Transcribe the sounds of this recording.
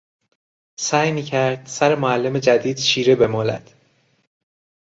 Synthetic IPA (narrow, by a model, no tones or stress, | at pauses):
sæːjmiːcʰæɾd̪̥sæɾemoælːe̞me̞d͡ʒæd̪iːd̪̥ʃiːɾebe̞mɒːlæ̰d̪̥